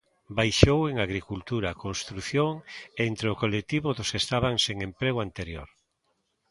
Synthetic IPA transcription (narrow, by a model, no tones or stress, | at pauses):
bajʃoweŋaɣɾikult̪uɾakonst̪ɾuθjoŋent̪ɾeokolek̚t̪iβoðʊsest̪aβaŋseŋempɾeɣ̞oant̪eɾjo̰ɾ